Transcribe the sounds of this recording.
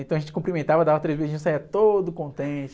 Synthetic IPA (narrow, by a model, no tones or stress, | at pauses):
ẽnt̪ɐ̃ɐʒẽɲt͡ʃɪkũpɾimẽnt̪avɐd̪avɐt̪ɾejzbezĩɲʊsaiɐt̪od̪ʊkõnt̪ẽt͡ʃɪ